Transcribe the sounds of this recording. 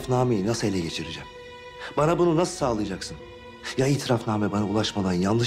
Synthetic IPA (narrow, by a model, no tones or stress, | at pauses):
fnaːmejinasɯe̞lʲɛɟe̞t͡ʃʰiɾid͡ʒɛm | banabununasɯ̥saːlˠɯjad͡ʒaksɯn | jaiːt̪ʰiɾafnaːmɛbanaulˠaʃmad̪anjannɯ